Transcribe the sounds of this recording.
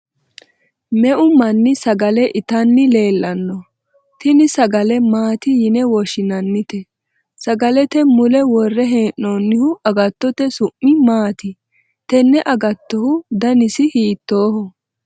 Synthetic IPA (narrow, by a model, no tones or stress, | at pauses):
mɛʔʊmɐnːɪsɐɡɐlɛʔɪt̪ɐnːɪle̞ːlːɐnːɔ | t̪ɪnɪsɐɡɐlɛmaːt̪ɪjɪnɛwɔʃɪnɐnːɪt̪ɛ | sɐɡɐlɛt̪ɛmʊlɛwɔrːɛɦeːʔoːnːɪhʊɐɡɐt̪ːɔt̪ɛsʊʔːɪmaːt̪ɪ | t̪ɛnːɛʔɐɡɐt̪ːɔhʊd̪ɐnɪsɪhiːt̪ːoːhɔ